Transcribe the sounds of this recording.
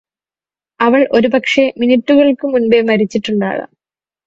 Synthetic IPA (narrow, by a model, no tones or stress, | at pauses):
ɐʋɐɭʔo̞ɾupɐkʂe̞minitːuɣɐɭkɨmunbemɐɾit͡ɕːiʈːuɳɖa̰ːɭɨ̰